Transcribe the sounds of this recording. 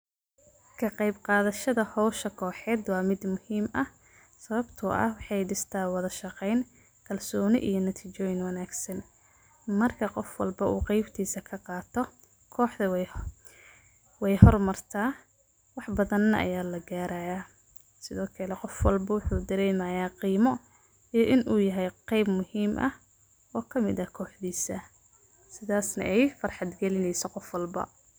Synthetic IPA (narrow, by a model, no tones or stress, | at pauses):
kʰɐqɑjbqɑːðɐʃɐðɐhɔwʃɐkʰɔːħɛːd̪wɑːmɪd̪mʊhiːmɐh | sɐβɐbt̪ʰʊʔɐ̰hwɑħɑjɖɪst̪ʰaːwɐðɐʃɑqɛjn | kʰɐlsɔːnɪ̰ʔijɞnɐt̪ʰiːt͡ʃɔːjɪnwɐnaːɡsɐn | mɐrkʰɐqɔfwɐ̰lbɐʔuːqɛjbt̪ʰiːsɐkʰɐqɑːt̪ʰɔ | kʰɔːħɐ | wɛjhɔrmɐrt̪ʰaː | wɑħbɐðɐnːɐʔɐ̰jaːlɐɡaːɾaːjaː | sɪðɔːkʰɐlɛqɔfwɑlbɐwʊħuːd̪ɐɾɛjmɐjaːqiːmɔ | ijɔʔɪnʔuːjɐɦɛjqɛjbmʊhiːmʔɐ̰h | ɔːkʰɐmɪ̰ðɐkʰɔːħðiːsɐ | sɪðaːsnɐ̰ʔɛjfɐrħɑd̪ɡɛlɪnɛjsɔqɔfwɐlbɐ̰